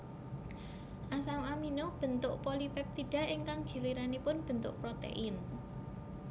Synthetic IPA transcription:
ʔasawaminob̥ə̤nt̪ʊʔpolipɛp̚t̪iɖ̥a̤ɪŋkaŋɡ̥i̤liɾanipʊnb̥ə̤nt̪ʊʔpɾot̪ḛʔɪn

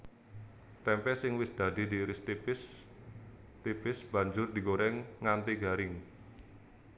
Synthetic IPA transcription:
t̪ɛmpɛsɪŋwɪsd̪̥a̤d̪̥i̤d̪iɾɪst̪ipɪs | t̪ipɪsb̥a̤ɲd͡ʒʊrd̪i̤ɡoɾɛŋːant̪iɡaɾɪŋ

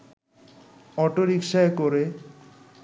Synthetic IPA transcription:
ɔʈoɾikʃaekoɾe

